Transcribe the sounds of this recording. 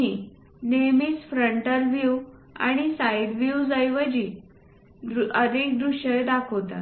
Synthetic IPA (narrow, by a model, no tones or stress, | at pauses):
i | nemiːsfɾəɳʈəɾʋiwa̰ɽ̃isajd̪ʋiwd͡zajʋəd͡ʑiː | ənek̚d̪ɾuɕəjd̪akʰowt̪a̰